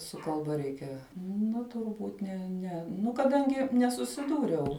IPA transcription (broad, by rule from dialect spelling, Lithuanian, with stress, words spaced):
sʊ kɐlˠˈbɐ ˈrʲɛɪkʲɛ ˈnɐ tʊrˈbuːt ˈnʲɛ ˈnʲɛ ˈnʊ kɐˈdɐŋʲɡʲɪ nʲɛsʊsʲɪˈduːrʲɛʊ